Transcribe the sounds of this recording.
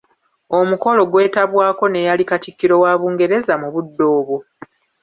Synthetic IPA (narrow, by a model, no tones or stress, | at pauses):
o̞muko̞lo̞ɡwe̞ːtaβwaːko̞ne̞jalikatikːiɾo̞waːβuːŋɡe̞ɾe̞zamuβudːo̞ːβo̞